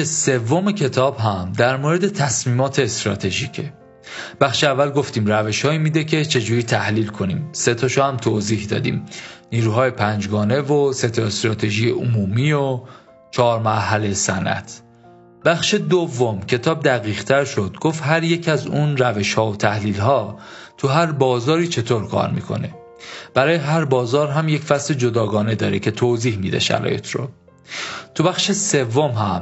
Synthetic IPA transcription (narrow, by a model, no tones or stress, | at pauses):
ese̞vːomecʰe̞t̪ʰɒːbɦæmd̪æɾmoːɾed̪e̞t̪ʰæsmiːmɒːt̪ʰeːst̪ɾɒ̰ːt̪ʰe̞ʒiːcʰe | b̥æxʃeævːælɡoft̪iːmɾæve̞ʃhɒːiːmiːd̪ecʰe̞t͡ʃʰe̞d͡ʒuːɾiːt̪ʰæhliːlkʰo̞nḭːmse̞t̪ʰɒːʃohæmt̪ʰoziːhd̪ɒ̰ːd̪ḭːmniːɾuːɦɒːjepʰænd͡ʒɡɒːne̞vose̞t̪ʰɒest̪ɾɒːt̪ʰe̞ʒijeʔomuːmiːo | t͡ʃʰɒːɾmæɾɦælejsænʔæ̰t̪ʰ | b̥æχʃed̪ovːo̞mcʰe̞t̪ʰɒːb̚d̪æɣiːɣt̪ʰæɾʃo̞d̪̥̚ɡoːft̪ɦæɾje̞cʰæzunɾæveʃhɒːot̪ʰæhliːlɦɒː | t̪ʰuɦæɾbɒːzɒːɾiːt͡ʃʰe̞t̪ʰoːɾkʰɒ̰ːɾmḭːkʰo̞̰ne̞ | b̥æɾɒːjeɦæɾbɒːzɒːɾɦæmje̞cfæsled͡ʒod̪ɒːɡɒːne̞d̪ɒːɾecʰe̞t̪ʰoːziːhmḭːd̪ḛʃæ̰ɾɒ̰ːjḛt̪ʰɾo̰ | t̪ʰubæxʃese̞vːo̞mɦæm